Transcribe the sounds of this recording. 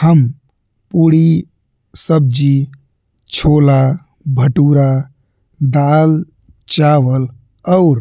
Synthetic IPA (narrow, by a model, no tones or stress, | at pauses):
həm | puɽi | səb̚d͡ʒi | t͡ʃʰola | bʱəʈuɾa | d̪al | t͡ʃaʋəl | əʊɾ